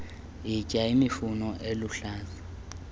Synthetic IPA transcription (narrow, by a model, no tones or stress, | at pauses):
ɪcʼaimɪfunɔʔelʊɬaːlḁ